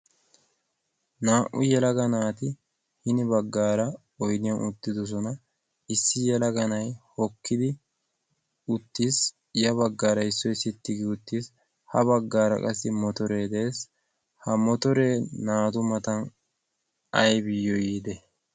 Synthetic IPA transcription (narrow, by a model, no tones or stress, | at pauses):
naːʔʊjɛlɐɡɐnaːt̪ɪ | hɪnɪbɐɡːaːɾɐ | ɔjnɪjɐnʊt̪ːɪd̪ɔs̬ɔnɐ | ɪsːɪjɛlɐɡɐnɐjhɔkʰːɪd̪ɪ | ʊt̪ːiːs | jɐβɐɡːaːɾɐɪsːɔɪsɪt̪ːɪɡɪʊt̪ːiːs | hɐbɐɡːaːɾɐ̰kʼɐsːɪmɔt̪ɔɾe̞ːd̪eːs | hɐmɔt̪ɔɾe̞ːnaːt̪ʊmɐt̪ɐn | ɐjbɪjːɔjiːd̪ɛ